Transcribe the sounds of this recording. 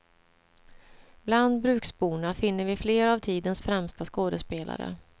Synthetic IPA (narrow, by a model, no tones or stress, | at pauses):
bland̪bɾʉ̟ːksbuːɳafɪnːəɾvɪfleːɾavt̪ʰiːd̪ənsfɾɛmst̪askoːd̪əspeːlʔa̰ɾə̰